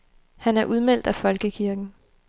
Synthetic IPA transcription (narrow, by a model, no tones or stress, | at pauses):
hænæɐʔuð̞ˠmel̰d̥æfɒ̽lɡ̥əkʰiɐɡ̥n̩